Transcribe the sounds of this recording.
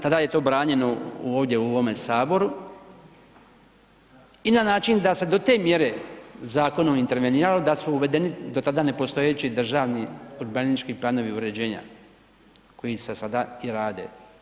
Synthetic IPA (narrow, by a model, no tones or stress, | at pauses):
t̪ad̪aje̞t̪o̞ːbɾaːɲe̞no̞ṵoːʋd̪je̞uoʋo̞me̞saːbo̞ɾu | inanaːt͡ʃind̪ase̞d̪o̞t̪e̞ːmje̞ɾe̞zaːko̞nomint̪e̞ɾʋeniːɾalod̪asuːʋe̞d̪e̞nid̪o̞t̪ad̪ane̞po̞st̪o̞jet͡ɕid̪r̩ʒaːʋniuɾbanit͡ʃkiplano̞ʋiuɾe̞d͡ʑe̞ːɲa̰ | ko̞jisesad̪aiɾaːd̪e̞̰